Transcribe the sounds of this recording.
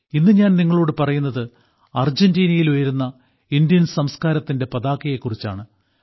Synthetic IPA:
inːɨɲaːnniŋːɐɭo̞ːɽɨpɐrɐjunːɐðɨ | ɐrd͡ʑendiːnɐjilojɐɾunːɐ | indjɐnsɐmskaːɾɐt̪ːinde̞pɐðaːkːɐje̞kːurit͡ɕːa̰ːɳɨ

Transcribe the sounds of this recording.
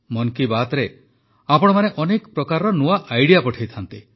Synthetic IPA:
mɔŋkibat̪ɔɾe | apɔɽ̃ɔmaneʔɔnekɔ̥pɾɔkaɾɔɾɔnuaʔajɽijapɔʈʰajt̪ʰant̪i

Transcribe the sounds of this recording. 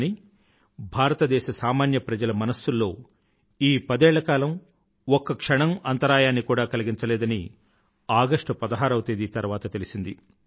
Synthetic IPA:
ni | bʱaːɾɐt̪ɐd̪ɛːʃɐsaːmaːnjɐpɾɐd͡ʒɐlɐmɐnɐsːulːo̞ː | iːpɐd̪ɛːɭːɐkaːlɐm | ɔkːɐkʂɐɳɐmɐnt̪ɐɾaːjaːnːikuːɽaːkɐliɡiɲt͡ʃɐlɛːd̪ɐni | aːɡɐʂʈɐpɐd̪ɐɦaːɾɐwt̪eːd̪it̪ɐɾʋaːt̪ɐt̪elisind̪i

